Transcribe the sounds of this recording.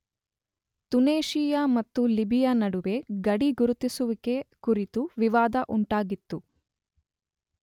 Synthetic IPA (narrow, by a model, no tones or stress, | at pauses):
t̪uneːʃijamɐt̪ːulibijanɐɽuʋe̞ɡɐɽiɡuɾut̪isuʋike̞kuɾit̪uʋiʋaːd̪ɐʔuɳʈaːɡit̪ːu